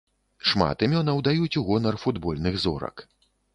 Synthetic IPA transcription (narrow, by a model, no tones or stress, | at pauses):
ʂma̰t̪imʲɔnɐwd̪ajut͡sʲuɣɔnɐrfud̪bɔlʲnɨɣzɔ̰ɾɐ̰k